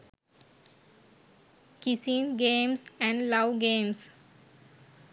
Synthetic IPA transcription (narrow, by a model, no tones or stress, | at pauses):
kisĩnɡẽːmsɛ̃ɳɖlaʊɡẽːms